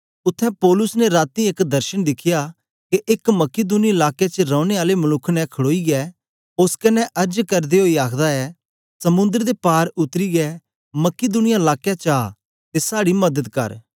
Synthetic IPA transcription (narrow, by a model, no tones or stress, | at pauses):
ʊt̪ʰːɛ̃pɔːlʊsnɛɾaːt̪iekd̪ɐɾʃənd̪ɪkʰɪja | keʔɪkmɐked̪uːniɪlaːkjet͡ʃɾɔ̃ːʊɽ̃eaːlemɐlʊkʰːnɛkʰɐɽoːiɡɛː | ʊskɐnːɛʔɐɾd͡ʒkɐɾd̪eɦoːiaːkʰd̪aɛ | sɐmʊ̃nd̪əɾd̪epaːɾʊt̪ɾiɡɛ | mɐked̪uːnɪjaɪlaːkjat͡ʃaː | t̪esaːɽimɐd̪əd̪kɐ̰ɾ